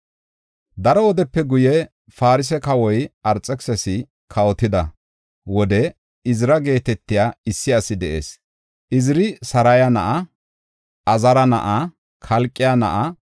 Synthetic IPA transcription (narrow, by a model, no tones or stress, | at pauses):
d̪ɐɾɔwɔd̪ɛpːɛɡʊjɛ | faːɾɪs̬ɛkɐwɔjʔɐɾt͡sʼːɛksɛsɪ | kʰɐwɔt̪ɪd̪ɐ | wɔd̪ɛ | ɪzɾɐɡe̞ːt̪ɛt̪ːɪjaːɪsːɪɐsɪd̪ɛʔḛːs | ʔɪzɪɾɪsɐɾɐjɐnɐ̰ʔɐ | ʔɐzɐɾɐnɐ̰ʔɐ | kʰɐlkʼːɪjanɐ̰ʔɐ